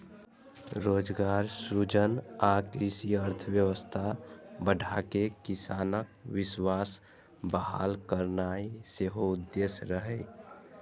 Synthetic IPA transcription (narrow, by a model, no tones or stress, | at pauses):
ɾoːd͡ʒɡaːɾsud͡ʒənakɾisiəɾt̪ʰəʋjəwəst̪ʰabəɖʱakekɪsaːnək̚wɪswaːs | bəɦa̰ːlkəɾnaiseɦoʊd̪ːeːsɾəɦɛ